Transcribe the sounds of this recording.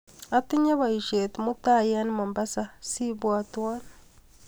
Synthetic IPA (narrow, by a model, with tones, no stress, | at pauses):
a˨ti˦ɲa˦βa˨i˨ʃe˨timu˦ta˦ja˦ni˦ma˨mba˦sa˦si˦βwaː˨twaː˦ni